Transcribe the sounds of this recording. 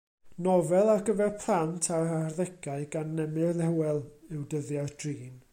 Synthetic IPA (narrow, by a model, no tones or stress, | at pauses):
nɔvɛlˠarɡəvɛrpʰlˠantʰaɾarðɛɡaɨɡanːɛmɨrðɛwɛlˠɪwdəðjad̥riːn